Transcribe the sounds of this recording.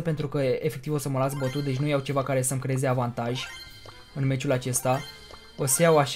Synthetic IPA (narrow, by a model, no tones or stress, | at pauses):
əpe̞nt̪ɾukəefe̞k̚t̪ivo̞səməlasbət̪ut̪̚d̪e̞t͡ʃʲnujawt͡ʃe̞vakaɾe̞səmkɾeezeavant̪aʒʲ | ɨnme̞t͡ʃulat͡ʃe̞st̪a | osəjawaʃ